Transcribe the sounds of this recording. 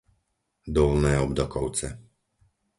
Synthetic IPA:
d̪ɔlnɛɔbd̪ɔkɔwt̪sɛ

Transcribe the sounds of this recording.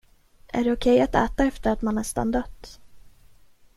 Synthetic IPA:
ʔæ̰ɖɛʊkʰɛjat̪ɛ̰ːt̪aɛft̪əɾat̪manːɛst̪a̰nd̪œt̪ː

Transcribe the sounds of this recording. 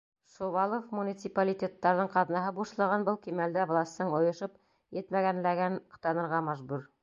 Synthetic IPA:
ʃovɑlˠofmunʲit̪sɪpalʲitʲet̪ːɑɾðɤɴqɑðnɑɦɤbuʃlˠɑʁɑnbɤlˠkimæld̪ævlˠɑsʲt̪ɤɴŏjŏʃɤp | jɘt̪mæɡænlæɡænt̪ɑnɤ̆ɾʁɑmæʒbuɾ

